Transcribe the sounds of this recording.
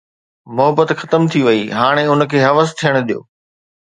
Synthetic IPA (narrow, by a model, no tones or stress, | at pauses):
mʊɦəbət̪xɐt̪əmt̪ʰiʋɐiɦaːɽ̃eʊn̆kʰeːɦɐʋəst̪ʰijəɽ̃ʊd̪ijo̰ː